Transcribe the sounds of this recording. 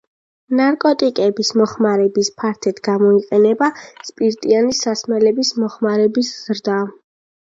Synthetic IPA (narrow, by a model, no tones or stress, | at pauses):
naɾkʼɔt̪ʼikʼɛbismɔχmaɾɛbispʰaɾt̪ʰɛt̪ʰɡamɔiqʼɛnɛbaspʼiɾt̪ʼianisasmɛlɛbismɔχmaɾɛbisz̥ɾd̪a